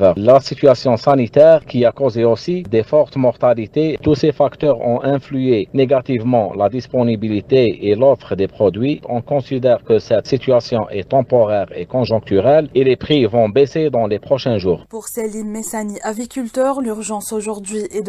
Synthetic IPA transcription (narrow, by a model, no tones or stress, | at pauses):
vəlasit̪ɥasjɔ̃sanit̪ɛːʁkiakozeosid̪efɔʁt̪mɔʁt̪alit̪et̪usefakt̪œʁɔ̰̃ʔɛ̃flyeneɡat̪ivmɑ̰̃lad̪ispɔnibilit̪eelɔfʁəd̪epχɔd̪ɥiɔ̃kɔ̃sid̪ɛʁkəsɛt̪sit̪ɥyasjɔ̃ʔɛt̪ɑ̃pɔʁɛʁḛkɔ̃ʒɔ̃k̚t̪yʁɛlelepχivɔ̃besed̪ɑ̃lepχɔʃɛ̃ʒuːʁpuʁselimesaniʔavikʲylt̪œʁlyʁʒɑ̃soʒuʁd̪ɥiʔɛd̪